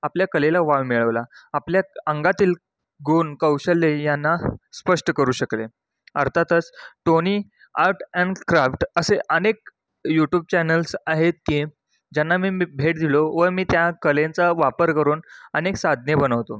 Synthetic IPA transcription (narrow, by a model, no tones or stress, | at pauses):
apljakəlelaʋaʋmiɭəʋlaːpljaəŋɡat̪iːl | ɡʱoːnkəwɕəlːejanːaspəʂʈəkəɾuːɕəkle | əɾt̪ʰat̪ət͡sʈoniː | aɾʈɛɳɖkɾafʈəseʔənek̚ | juʈjuːb̚t͡ɕɛnəlsaɦet̪̚kiː | d͡ʑanːamiːbʱeʈ̚d̪ʱiloʋəɾmiːt̪jakəlẽnt͡saʋapəɾkəɾuːnəneksad̪ʱnebənəʋt̪o